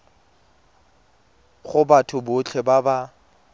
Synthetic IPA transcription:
χʊbatʰʊbʊt͡ɬʰɛbaba

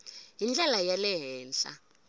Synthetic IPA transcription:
ɦind͡ɮɛlajalɛɦɛːnɬa̰

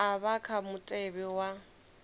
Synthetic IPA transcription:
aβakʰamʊtʼɛbɛwa

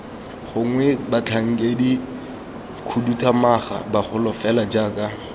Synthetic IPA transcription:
χʊŋwɛbat͡ɬʰaŋ̩kʼedi | kʰudutʰʼamaχa̰baχʊlɔfɛlad͡ʒaːkʼa

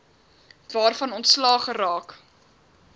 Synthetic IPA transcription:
vɑːrfɐnɔntslɑːχəɾɑːk

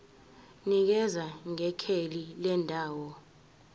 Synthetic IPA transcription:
nik̬ɛzaŋɛkʰelilɛndʱaːwɔ

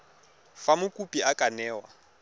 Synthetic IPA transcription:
famʊkʼupʼiakʼanɛːwa

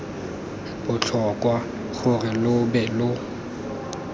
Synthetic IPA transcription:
bʊt͡ɬʰɔkʼwa | χʊrɪlʊbɛlʊ

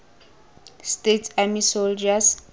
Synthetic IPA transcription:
stetʰamisold͡ʒas

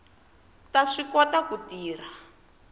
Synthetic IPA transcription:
taʂikɔtakutiːr̤a

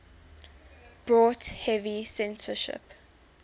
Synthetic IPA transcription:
b̥ɹɔːthɛvisɛ̃nsəʃɪ̰p

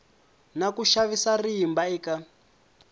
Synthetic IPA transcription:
nakuʃaβisariːmbaiːka

